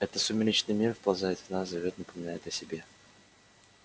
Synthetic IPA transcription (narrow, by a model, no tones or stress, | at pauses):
ɛt̪ət̪sʊmʲɪlʲit͡ɕnɨjmʲirfpɐlˠzajɪt̪vnaszɐvʲot̪̚nəpəmʲɪnajɪt̪əsʲɪbʲe̞